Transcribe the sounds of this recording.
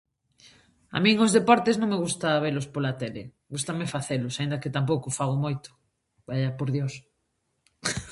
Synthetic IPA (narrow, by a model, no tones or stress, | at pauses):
a̰mĩŋozðepɔɾt̪eznõŋmeɣ̞ust̪aβ̞elospolat̪ɛlḛ | ɡust̪amefaθelʊsaind̪ɐket̪amp̬owkofaɣ̞omojt̪ʊ̥ | bajapoɾðjos